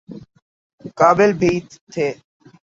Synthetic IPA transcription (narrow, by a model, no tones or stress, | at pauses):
kaːbɪlbʱiːt̪ʰːeː